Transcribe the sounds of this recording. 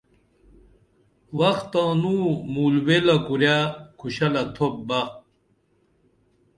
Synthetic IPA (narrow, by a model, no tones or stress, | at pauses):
wɐxt̪ãːnuːmuːlwelɐkuɾjakʰuɕɐlɐt̪ʰop̚ba